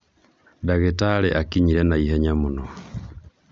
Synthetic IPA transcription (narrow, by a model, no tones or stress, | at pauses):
daɣetaɾɛʔakiɲiɾɛnaiɦɛɲamunɔ